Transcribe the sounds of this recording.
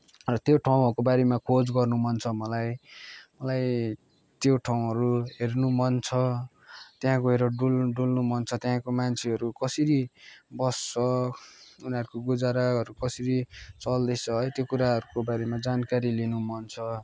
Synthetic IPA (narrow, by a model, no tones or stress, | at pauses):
rʌt̪joʈʰaw̃ɦʌɾukobaɾemakʰod͡zɡʌrnumʌnt͡sʰʌmʌlajmʌlaj | t̪joʈʰaw̃ɦʌɾuɦernumʌnt͡sʰʌ | t̪jɦãkoɦeɾʌɖulɖulnumʌnt͡sʰʌt̪jɦãkomant͡sʰeɦʌɾukʌsiɾibʌst͡sʰʌ | uniʌɾukoɡud͡zaɾaɦʌɾukʌsiɾit͡sʌld̪ʌjt͡sʰʌɦʌjt̪jokuɾaɦʌɾukobaɾemad͡zankaɾilinumʌnt͡sʰʌ